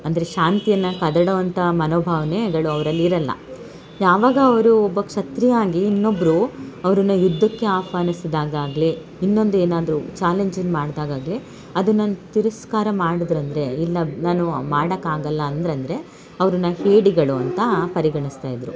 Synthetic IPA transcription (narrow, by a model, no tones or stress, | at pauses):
ɐnd̪ɐɾe̞ʃaːnt̪ijɐnːɐkɐd̪ɐɽɐʋɐnt̪ʰɐmɐnoːbʱaːʋɐnɛɡɐɭuɐʋɐɾɐlːiɾɐlːɐ̰ | jaːʋaːɡɐːʋɐɾuɔbːɐkʂɐt̪ɾijaːɡiːnːo̞bːɐɾuɐʋɐɾunːɐjud̪ʱːɐkːe̞aːpaːnisid̪aːɡaːɡɐli | inːo̞nd̪ueːnaːd̪ɐɾut͡ʃaːleɲd͡ʒinːmaːɽd̪aːɡaːɡli | ɐd̪unaːnut̪iɾɐskaːɾɐmaːɽid̪ɾɐnd̪ɐɾe̞ilːɐnaːnumaːɽɐkːaːɡɐlːɐːnd̪ɐɾɐnd̪ɐɾe̞ | ɐʋɐɾunːɐheːɽiɡɐɭuɐ̰nt̪ɐpɐɾiɡɐɳist̪aːjid̪ɾu